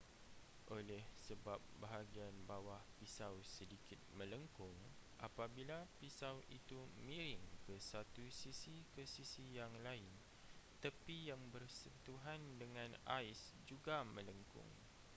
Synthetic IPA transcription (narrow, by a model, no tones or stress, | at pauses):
ʔolɛhsəbap̚baɦaɡianbawahpisawsədikɪt̪̚mə̃ləŋkʊŋʔapabilapisawʔḭt̪umĩɾɪŋkəsat̪usisikəsisijaŋlaɪn | t̪əpijaŋbərsənt̪uɦandəŋãna̰ɪs | d͡ʒuɡamə̃ləŋkʊ̰ŋ